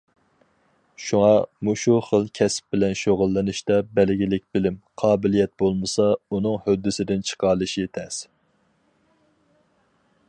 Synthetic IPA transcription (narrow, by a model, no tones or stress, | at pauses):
ʃuŋɑmuʃuχəlˠkʲʰɛsp̚bɪlɛnʃoʁʊlˠːɨnɨʃt̪ɑbɛlɡʲilɪk̚ʲbɪlɪmqʰɑːbɪlijɛt̪̚bolˠmɨsɑunɨŋhød̪ːɪsɪd̪ɪnt͡ʃʰə̥qʰɑlˠɨʃiet̪ʰɛs